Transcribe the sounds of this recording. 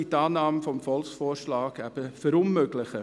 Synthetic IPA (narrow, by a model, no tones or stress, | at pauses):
itɑːnɑːməfɔmfɔlksfoːɾʃlɑːɡæb̥əfɛɾʊnmøːɡlɪχə